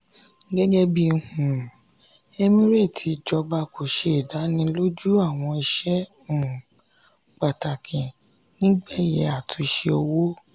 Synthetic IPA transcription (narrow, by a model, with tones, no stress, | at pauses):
ɡɛ˦d͡ʒɛ˦bi˧˨hũ˨ | ɛ˦mĩ˦ɾe˦˨tʰi˨˧d͡ʒɔ˧ba˧ko˨ʃe˨i˨da˨˦nĩ˦lo˦d͡ʒu˦a˦˨w̃ɔ̃˧i˧ʃɛ̃˦˨ | k͡pa˨ta˨kʰĩ˨ | nĩ˦ɡ͡bɛ˦˨jɛ˧˦a˨tʰũ˨˧ʃe˧o˧wo˦